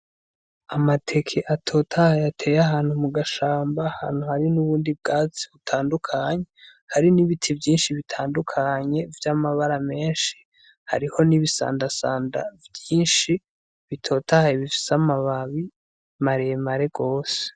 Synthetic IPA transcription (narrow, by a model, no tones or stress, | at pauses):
amatʰe̞kʰeʔatʰo̞ːtʰahajatʰe̞ːjaɦaːn̥humuɡaʃaːmbaha̰ːn̥huhaɾinuβuːndib̚ɡaːt͡si̥βutʰaːndukʰaɲe̞ | haɾiniβitʰivjiːnʃiβitʰaːndukʰaɲe̞vjamaβaɾame̞ːnʃi̥ | ha̰ɾiho̞niβisa̰ːndasaːnda̰vjiːnʃi | βitʰo̞ːtahaiβifi̥samaβaβi | maɾejemaɾe̞ɡo̞ːse̥